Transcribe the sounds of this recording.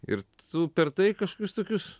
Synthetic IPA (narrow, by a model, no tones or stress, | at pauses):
ɪ̰ɾt̪ʊpʲɛɾt̪ɐɪkɐʃko̥kʲʊst̪oːkʲʊs